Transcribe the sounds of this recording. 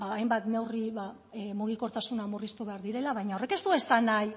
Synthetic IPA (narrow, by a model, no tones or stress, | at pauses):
aːjmbat̪ne̞wriβa | muɣ̞iko̞ɾt̪asunamurist̪uβe̞aɾðiɾe̞laβ̞ajɲao̞re̞ke̞st̪ue̞sanaj